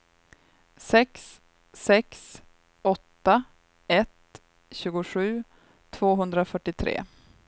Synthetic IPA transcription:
sɛksː | ɛks | ɔt̪ːa | ɛt̪ | ɕʉ̟ːɡʊɧʉ̟ː | t̪ʰv̥oːɦɵnd̪ɾafœʈːɪt̪ʰɾḛː

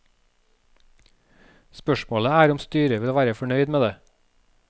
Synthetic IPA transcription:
spœʃmoːləæːɾʊmst̪yːɾəʋɪloːʋæːɾəfɔɳœʏd̪meːd̪eː

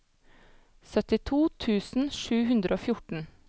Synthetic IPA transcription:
sœt̪ɪt̪ʰuːt̪ʰʉːsn̩ʃʉːhʉnd̪ɾʔoːfjʊʈɳ̩

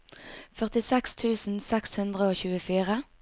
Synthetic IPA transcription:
fœʁt̪ɪsɛkst̪ʰʉːsn̩sɛkshʉnd̪ʁəoːçʉːəfiːʁə

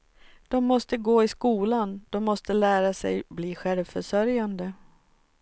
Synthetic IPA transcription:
d̪̥ɔmːɔst̪əɡoːɪskuːland̪̥ɔmːɔst̪əlæːɾasɛ̰jbliːɧɛlvfœʂœɾjand̪ə

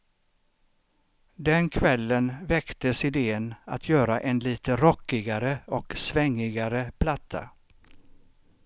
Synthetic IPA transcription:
d̪ɛnkʰvɛlːənvɛkt̪əsɪd̪eːəna̰t̪ʰjœːɾaʔɛnliːt̪ʰəɾɔkːɪɡaɾəɔksvɛŋːɪɡaɾəpʰlat̪ʰːa̰

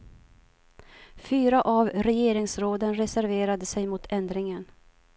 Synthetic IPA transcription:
fyːɾaʔavɾɛjeːɾɪŋsɾoːd̪ənɾɛsæɾveːɾad̪əsɛjmʊt̪ʰɛnd̪ɾɪŋən

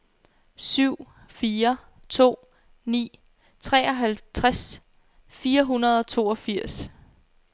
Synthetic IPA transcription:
syʊ̰ | fiːɐ | t͡sʰo̝̰ː | nḭː | t͡sʰʁɛ̰ːɒ̽ɦælt͡sʰʁas | fiːɐɦunɐð̞̩ˠɒ̽t͡sʰo̝ːɒfiɐ̰s

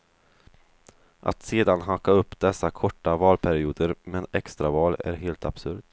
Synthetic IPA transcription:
ʔa̰t̪seːd̪anɦakːaɵpːd̪ɛsːakʰɔʈːavɑːlpʰæɾɪuːd̪əɾmɛnɛkst̪ɾavɑːlæ̰ɾɦeːlt̪ab̥sɵ̰ɾd̪

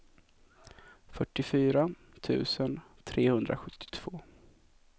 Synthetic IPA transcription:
fœʈːɪfyːɾa | t̪ʰʉ̟̰ːsən | t̪ʰɾeːhɵnd̪ɾa̰ɧɵt̪ːɪ̥t̪ʰv̥oː

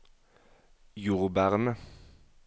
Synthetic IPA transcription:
juːʁbæʁnə

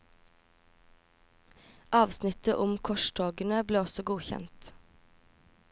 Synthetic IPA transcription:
ʔɑːʋsnɪt̪əʔʊmkʰɔʃʈʰoːɡənəbleːɔsɔɡuːçɛ̰nt̪

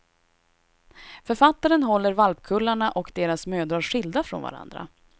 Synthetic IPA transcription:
fœɾfat̪ːaɾənɦɔlːəɾvalpkʰɵlːaɳaʔɔkd̪eːɾasmøːd̪ɾaɧɪld̪afɾɔ̰nva̰ɾa̰nd̪ɾa̰

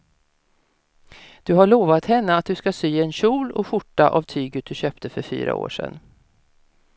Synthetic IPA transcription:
d̪̥ɵɦaɭoːvat̪hɛnːəat̪̚d̪ɵskasyːɛnɕuːlɔ̰ɧʊʈːaʔavt̪ʰyːɡət̪̚d̪ɵɕøːpt̪əfœɾfy̰ːɾa̰o̰ːʂɛ̰nː

